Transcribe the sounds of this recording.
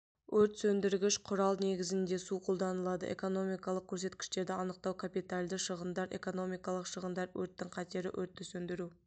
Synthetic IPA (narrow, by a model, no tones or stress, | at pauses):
wɵɾt̪sɵnd̪ɪɾɡʲɪʃqʰʊɾɑlˠne̞ɡʲɪzɪnd̪e̞suqʰo̞lˠd̪ɑnəlˠɑd̪ə̰ʔe̞̰ko̞no̞mijkɑlˠəq̚kʲʰɵɾse̞t̪kʲɪ̥ʃt̪e̞ɾd̪ɪɑnəq̚t̪ɑwkʰapijt̪alʲd̪ɪʃəʁənd̪ɑɾe̞̰ko̞no̞mijkɑlˠəqʃəʁənd̪ɑɾwɵɾt̪ːɪŋqʰɑt̪eɾɪ̰ʔɵɾt̪ːɪsɵnd̪ɪɾu